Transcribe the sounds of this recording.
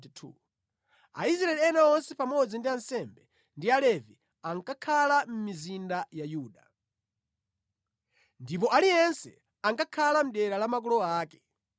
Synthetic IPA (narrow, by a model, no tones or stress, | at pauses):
tʰṵ | a̰isɾaɛlianaɔnsɛpamɔd͡zindiansɛmbɛ | ndialɛvi | aŋkakʰalam̩mizindajajuːɗa | ndip̬ɔʔalijɛnsɛ | aŋkakʰalam̩ɗɛɾalamak̬ɔlɔaːkɛ̥